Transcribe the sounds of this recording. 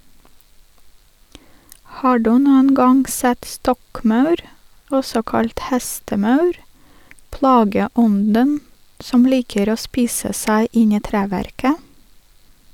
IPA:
ˈhɑː ˈduː ˈnuːən ˈɡɑŋ ˈsɛt ˈstɔkˌmɑʉɾ ˈɔsɔ ˈkɑlt ˈhæstəˌmɑʉɾ ˈplɑːɡəˌɔndən ˈsɔm ˈliːkəɾ ˈoː ˈspiːsə ˈsæɪ ˈɪn ˈiː ˈtɾæːʋæɾkə

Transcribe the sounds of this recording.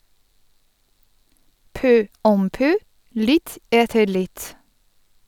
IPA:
ˈpœ ˈɔm ˈpœ ˈlɪt ˈeːtəɾ ˈlɪt

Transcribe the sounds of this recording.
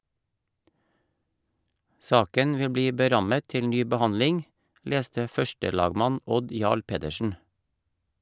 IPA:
ˈsɑːkən ˈʋɪl ˈbliː bəˈɾɑmə ˈtɪl ˈnyː bəˈhɑnlɪŋ ˈleːstə ˈfœʃtəˌlɑːɡmɑn ˈɔd ˈjɑːɭ ˈpeːdəʃn̩

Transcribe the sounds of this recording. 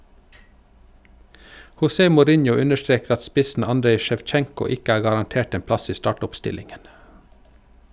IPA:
hʊˈseː mʊˈɾɪnjʊ ˈʉnəʃˌtɾeːk ˈɑt ˈspɪsn̩ ˈɑndɾeɪ ʃɛʋˈt͡ʃɛŋkʊ ˈɪk ˈæː ɡɑʁɑnˈteːʈ ˈeːm ˈplɑs ˈiː ˈstɑʈʊpˌstɪlɪŋən

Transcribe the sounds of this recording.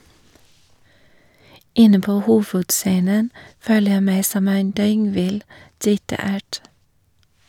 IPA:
ˈɪnə ˈpoː ˈhuːʋʉdˌseːnən ˈføːlə ˈjæɪ ˈmæɪ ˈsɔm ˈeːn ˈdœʏŋˌʋɪl ˈɖiːtɑ ˈæːʈ

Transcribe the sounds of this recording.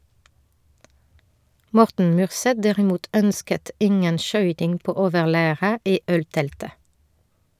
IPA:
ˈmɔʁtn̩ ˈmyːʁˌsɛt ˈdæʁɪˌmuːt ˈœnskət ˈɪŋən ˈʃœʏtɪŋ ˈpoː ˈoːʋəʁˌlæːʁə ˈiː ˈœlˌtɛltə

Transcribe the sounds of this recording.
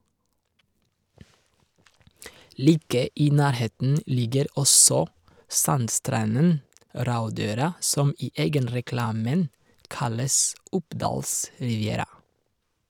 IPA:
ˈliːkə ˈiː ˈnæːɾˌheːtn̩ ˈlɪɡəɾ ˈɔsɔ ˈsɑnˌstɾɑnən ˈɾɑʉˌdøːɾɑ ˈsɔm ˈiː ˈeːɡənɾɛˌklɑːmən ˈkɑləs ˈʊpˌdɑːls ɾɪʋɪˈeːɾɑ

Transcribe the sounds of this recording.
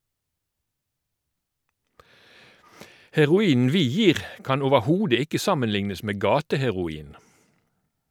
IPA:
hɛʁʊˈiːn̩ ˈʋiː ˈjiːʁ ˈkɑn oːʋəˈhuːdə ˈɪkə ˈsɑmənˌlɪŋnəs ˈmeː ˈɡɑːtəhɛʁʊˌiːn

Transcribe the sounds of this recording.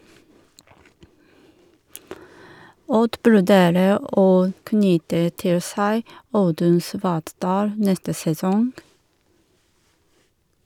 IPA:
ˈɔd ʋʉɾˈdeːɾə ˈoː ˈknʏtə ˈtɪl ˈsæɪ ˈɑʉdʉn ˈsʋɑːtˌdɑːl ˈnɛstə sɛˈsɔŋɡ

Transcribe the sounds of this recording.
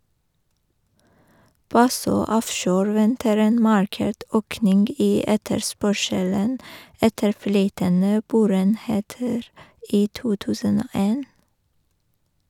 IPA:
ˈbɑsøː ˈɔfʃoːɾ ˈʋɛntəɾ ˈeːn ˈmɑɹˌkeːʈ ˈøːknɪŋɡ ˈiː ˈɛtəɾˌspœʃələn ˈɛtəɾ ˈflyːtənə ˈboːɾəeːnˌheːtəɾ ˈiː ˈtuː ˈtʉːsən ˈoː ˈeːn

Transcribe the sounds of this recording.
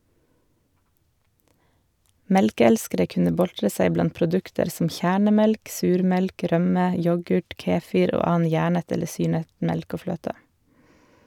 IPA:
ˈmɛlkəˌɛlskəɾə ˈkʉnə ˈbɔltɾə ˈsæɪ ˈblɑnt pɾʊˈdʉktəɾ sm̩ ˈçæːɳəˌmɛlk ˈsʉːɾˌmɛlk ˈɾœmə ˈjɔɡʉʈ ˈkeːˌfɪɾ ˈoː ˈɑːɑn ˈjæːɳət ˈɛlə ˈsyːɳət ˈmɛlk ˈoː ˈfløːtə

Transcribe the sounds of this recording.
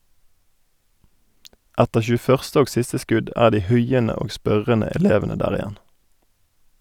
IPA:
ˈɛtəʁ çʉːˈfœʁstə ˈoːɡ ˈsɪstə ˈskʉd ˈæː ˈdiː ˈhʉɪənə ˈoː ˈspœʁənə ɛˈleːʋənə ˈdæːʁ ɪˈjɛn

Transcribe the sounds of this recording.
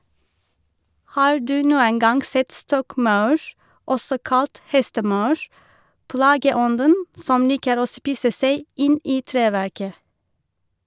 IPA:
ˈhɑːɹ ˈdʉː ˈnuːən ˈɡɑŋ ˈsɛt ˈstɔkˌmɑʉɹ ˈɔsɔ ˈkɑlt ˈhɛstəˌmɑʉɹ ˈplɑːɡəˌɔndən ˈsɔm ˈliːkəɾ ˈoː ˈspiːsə ˈseɪ ˈɪn ˈʔiː ˈtɹeːˌʋæɹkə

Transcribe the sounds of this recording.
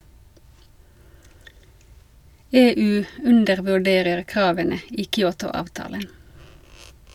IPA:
ˈeːˌʉː ˈʉndəʁʋʉˌɖeːʁəʁ ˈkʁɑːʋənə ˈiː kʏˈuːtʊ ˈɑːʋtɑːlən

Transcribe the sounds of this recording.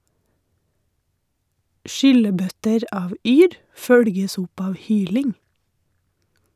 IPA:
ˈʃʏləˌbœtəɾ ˈɑːʋ ˈyːɾ ˈfœɽɡəs ˈʊp ˈɑːʋ ˈhyːlɪŋ

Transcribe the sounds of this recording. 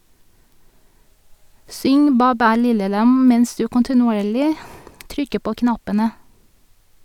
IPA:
ˈsʏŋ ˈbæː ˈbæː ˈlɪlə ˈlɑm ˈmɛns ˈdʉː kɔntɪnʊˈeːɭɪ ˈtɾʏkə ˈpoː ˈknɑpənə

